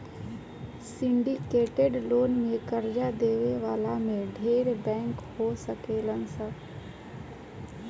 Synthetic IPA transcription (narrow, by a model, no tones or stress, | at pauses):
sɪ̃ɳɖikeːʈeɖloːnmẽkəɾd͡ʒad̪eːʋeʋaːlamẽɖʱeːɾbɛ̃ːŋkhosəkelənsa